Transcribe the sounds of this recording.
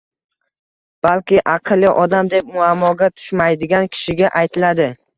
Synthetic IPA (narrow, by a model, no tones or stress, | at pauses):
b̥alkʲɪʔaqʰɨlˠːɪʔɒd̪amd̪e̞p̚mʊamːɒɡʲat̪ʰʊ̥ʃmajd̪ɪɡʲankʲʰɪ̥ʃɪɡʲaʔajt̪ʰɪlad̪ɪ